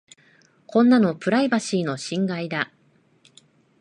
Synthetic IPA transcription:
kõ̞nːano̞pɯ̟ɾaibaɕiːno̞ɕĩŋɡaid̪a

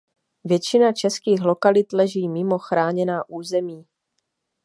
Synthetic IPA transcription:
vjɛt͡ʃɪnat͡ʃɛskiːxlo̞kalɪt̪lɛʒiːmɪmo̞xɾaːɲɛnaːʔuːzɛmiː

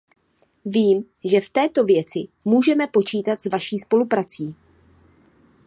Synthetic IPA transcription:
viːm | ʒɛft̪ɛːt̪o̞vjɛt͡sɪmuːʒɛmɛpo̞t͡ʃiːt̪at̪zvaʃiːspo̞lupɾat͡siː

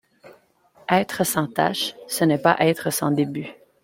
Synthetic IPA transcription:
ɛːt̪χəsɑ̃t̪a̰ʃsənɛpaʔɛːt̪χəsɑ̃d̪eby

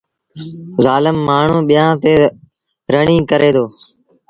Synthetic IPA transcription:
zaːlɪmːaːɳ̤ũːɓɪjãːt̪eː | ɾəɳĩːkəɾeːd̪oː

